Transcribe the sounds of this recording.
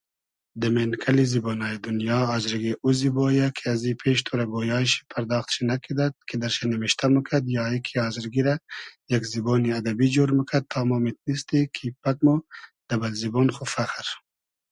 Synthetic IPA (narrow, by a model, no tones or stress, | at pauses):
d̪ɐmenkʰɐliziboːnɑːjid̪unjɑːzɾɡeʔuziboːjakʰiazipʰeːʃt̪ʰoɾɐɡoːjɑːʃi̥pʰɐɾd̪ɑːxt̪ʃinakʰid̪at̪̚kʰid̪ɐɾʃenɐmiʃt̪ʰaməkʰɐd̪jɑːikʰiɑːziɾɡiɾajakziboːniɐd̪ɐbid͡ʒoɾməkʰad̪̚t̪ʰɑːmomit̪̚nist̪ikʰipɐk̚mod̪̥ɐbɐlziboːnxufaxɾ